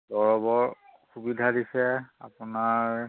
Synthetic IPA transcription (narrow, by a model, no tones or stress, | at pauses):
dɔɹɔbɔɹxubidʱadisɛa̰pʊnaɹ